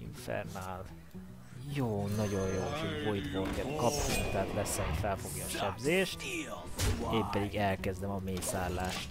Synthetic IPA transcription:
ḭɱfɛ̰rnaːl | joːnɒɟo̞jjoːʃoɟvojd̪boːlkɛlt̪kɒpnuŋt̪aaːt̪lɛsɛɦocfɛlfo̞ɡjɒːʃɛbzeːʃt̪ | eːmpɛd̪iɡɛlkɛzd̪ɛmɒmeːsaːlːaːʃt̪

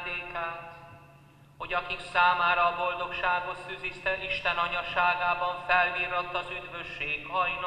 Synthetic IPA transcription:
d̪eːkaːt̪ | ho̞ɟɒkiksaːmaːɾɒːbo̞ld̪o̞kʃaːɡo̞t̪syzist̪ɛʔiʃt̪ɛnɒɲɒʃaːɡaːbɒɱfɛlviːrɾɒt̪ːɒzyd̪vø̞ʃːeːɡɒjn

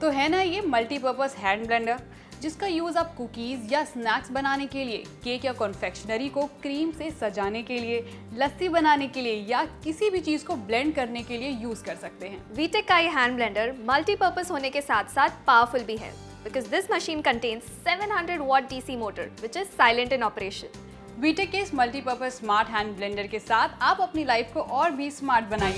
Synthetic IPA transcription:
t̪oɦɛːnajemɐlʈipəːɾpəsɦɛ̃ːɳɖblɛ̃ːɳɖəɾ | d͡ʒɪskajuːzaːp̚kʊkiːzjasnɛːksbɐnaːnekeliekeːkjakɔ̃nfɛkʃənəɾikokɾiːmsesɐd͡ʒaːnekelie | lɐsibɐnaːnekeliejakɪsibʱit͡ʃiːzkoblɛ̃ɳɖ̚kɐɾnekeliejuːzkɐɾsɐk̚t̪eɦɛ̃ːʋiːʈekːajeɦɛ̃ːɳɖblɛ̃ːɳɖəɾmɐlʈipəɾpəsɦoːnekesaːt̪ʰsaːt̪ʰpaːʋəɾfʊlbʱiɦɛ̰ | bɪkɔːzd̪ɪsməʃĩːnkə̃ɳʈẽːnzsɛʋə̃nɦɐ̃ɳɖɾəɖʋɔːʈ̚ɖiːsiːmoːʈə̰ɾʋɪt͡ʃɪzsaːɪlə̃ɳʈɪ̃nɔːpəɾeːʃə̃n | ʋiːʈekːesmɐlʈipəɾpəsːmaːɾʈɦɛ̃ːnɖblɛ̃ːɳɖəɾkesaːt̪ʰaːpɐpnilaɪfkoʔɔːɾbʱismaːɾʈ̚bɐnaːĩ

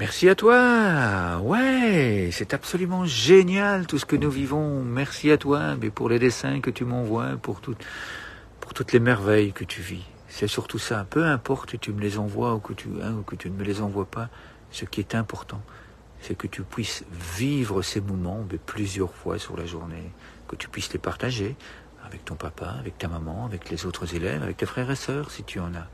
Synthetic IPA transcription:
mɛʁsiat̪wa | wɛsɛt̪apsɔlymɑ̃ʒenjalt̪usə̥kənuvivɔ̃mɛʁsiat̪wabɛpuʁled̪esɛ̃kət̪ymɑ̃vwapuʁt̪ut̪ | puʁt̪ut̪lemɛʁvɛjkət̪ʰyvi | sɛsyʁt̪usapøɛ̃pɔʁt̪ət̪yməlezɑ̃vwaukət̪ʰy̰ɛ̃ukət̪ynəməlezɑ̃vwapa | səkʲiɛt̪ɛ̃pɔʁt̪ɑ̃ | sɛkət̪ypɥisvivʁəsemɔmɑ̃bɛplyzjœʁfwa̰sy̰ʁlaʒuʁne | kət̪y̥pɥislepaʁt̪aʒe | avɛk̚t̪ɔ̃papaavɛk̚t̪amamɑ̃avɛklezot̪χəzelɛ̰va̰vɛ̰k̚t̪efχɛʁesœːʁsit̪ʰyɑ̃na

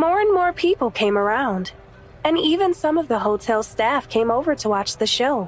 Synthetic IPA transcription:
mɔɹɨ̃nmɔɹpʰipl̩ˠkʰẽɪ̃mə˞ãʊ̃nd | ɨ̃nivɨ̃nsʌ̃mʌvðəɦoʊtʰɛlˠstæfkʰẽɪ̃moʊvə˞ɾəwɑt͡ʃðɨʃoʊ

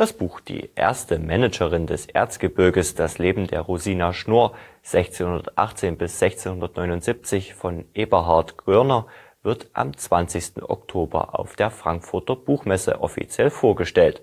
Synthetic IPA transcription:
d̥asb̥uːxd̥ḭːʔḛːɐstəmɛnɛd͡ʒəʁɪndɛsʔḛːɐt͡sɡ̥əbɪɐɡəsd̥asleːbm̩dḛːɐʁuziːnaʃnoːɐ | z̥ɛçt͡seːnhʊndɐtʔa̰χt͡seːnbɪsz̥ɛçt͡seːnhʊndɐtnɔʏnʊntz̥ip̚t͡sɪçfɔnʔeːbɐɦaɐtɡ̥ʁ̥œɐnɐ | vɪɐtʔa̰mt͡sv̥ant͡sɪçstn̩ʔɔ̰ktʰoːbɐ̰ʔa̰ʊfd̥eːɐfʁ̥aŋkfʊɐtɐb̥uːxmɛsə̰ʔɔfḭt͡sjɛlfoːɐɡəʃtɛlt

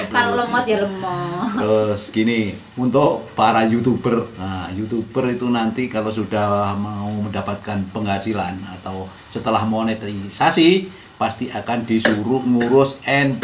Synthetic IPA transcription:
kaloləmɔt̪aləmɔosɡini | unt̪ʊʔpaɾajut̪ubərnajut̪ub̥ərit̪unant̪ikalosudahhmauməndapat̪̚kanpəŋat͡ʃilanat̪aw | sət̪əlahmonet̪isasi | past̪iʔakand̥isuɾuʔŋuɾʊsɛn

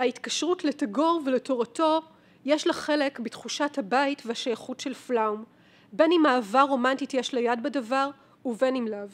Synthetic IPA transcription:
haitkaʃʁutletaɡo̞ʁveletoʁato̞ | jeʃlaχe̞le̞kbitχuʃathabaitvehaʃajaχutʃelflaum | be̞nimaːvaʁo̞mantitjɛʃlajadbedavaʁ | uve̞nimlav

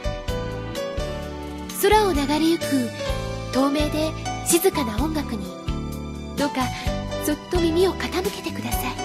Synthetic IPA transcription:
so̞ɾao̞naɡaɾʲijɯ̟kɯ̟t̪o̞ːme̞ːd̪e̞ɕizɨkanaõ̞ŋɡakɯ̟ɲ̟i | d̪̥o̞kaso̞t̪ːo̞mʲimʲio̞kat̪amɯ̟ke̞̥t̪e̞kɯ̟d̪asai

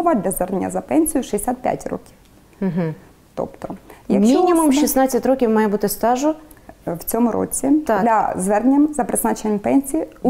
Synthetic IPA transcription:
ɔʋɐd̪lʲɐzʋɛrnenʲːɐ̰zɐpɛnʲsʲijʊʃɪd̪ʲesʲat̪̚pʲja̰tʲrɔ̰kʲi̥w̩ | ɦ̩ | t̪ɔ̰pt̪ɔjɐkʃminʲimumʃisnɑt͡sʲːɐtʲrokʲiwmɑjɛbut̪ɪst̪ɑʒʊwt͡sʲɔmʊɾʔɔ̰t͡sʲit̪ɑlʲɐzʋɛrnnʲɐmzɐpɾɪznɑt͡ʃenʲɐmpɛnʲsʲiji

